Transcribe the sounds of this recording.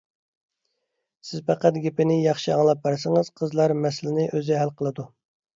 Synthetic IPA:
sɪz̥pæqæt̪̚ɡʲepɪnɪjɑχʃiɑŋlˠɑp̚bæɾsɪŋəz̥qʰəzlˠɑɾmɛslɪnɪʔøzɪɦælqʰəlˠɨd̪u

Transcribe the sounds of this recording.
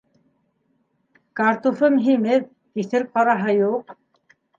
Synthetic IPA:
kaɾt̪ufɤmɦimɘp | kiθɘɾqɑɾɑɦɤjuq̚

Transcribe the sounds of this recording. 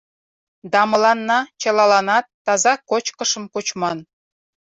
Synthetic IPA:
d̪ɑmɤ̆lɑnːɑt͡ɕɤlˠɑlɑnɑt̪ːɑzɑkot͡ɕkɤ̆ʃɤ̆mkot͡ɕmɑn

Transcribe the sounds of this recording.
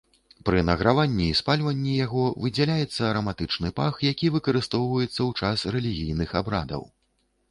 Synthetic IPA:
pɾɨnɐɣɾavanʲːiːspalʲvɐnʲːijaɣɔvɨd͡zʲɛlʲajɛt̪sːɐːɾɐmat̪ɨt͡ʂnɨpaxjakʲivɨkɐɾɨst̪ɔwvɐjɛt̪sːɐwt͡ʂasrɛlʲiɣʲijnɨxabɾa̰d̪ɐ̰w

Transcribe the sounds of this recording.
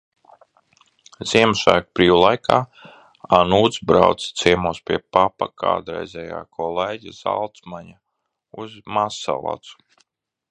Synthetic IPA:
ziɛmʃaːkpɾiːwulˠajkʰaː | anuːd̪sbɾawt̪st̪siɛmuːspʲiɛpapakʰa̰ːd̪ɾɛ̰jzɛja̰ːkʰɔleːɟʲiz̥a̰lˠt̪smaɲa | uzmasa̰lˠa̰t̪su̥

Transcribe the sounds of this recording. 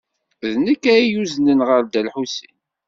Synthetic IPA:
ðnəkːæijuznənʁəɾd̪ælħusin

